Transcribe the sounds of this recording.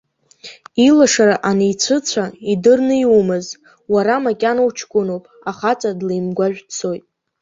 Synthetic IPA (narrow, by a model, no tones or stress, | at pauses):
ilaʂaɾaʔanejt͡ɕʷʰɨt͡sʷʰaidɨrnɨjumɨz | waɾamakʲʼanowt͡ʃʰkʷʼʊnowpʼaχat͡sʷʼadlejmɡʷaʒᶣt͡sʰo̞jtʼ